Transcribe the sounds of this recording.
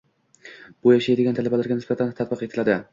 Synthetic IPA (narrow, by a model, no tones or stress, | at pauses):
b̥ʊjaʃajd̪ɪɡʲant̪ʰalabalaɾɡʲanɪsbat̪ʰant̪ʰat̪̚bɨqe̞t̪ʰɪlad̪ɪ